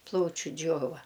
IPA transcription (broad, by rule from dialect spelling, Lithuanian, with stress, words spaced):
ˈplˠɐʊt͡ʃʲʊ ˈd͡ʒʲoːʋɐ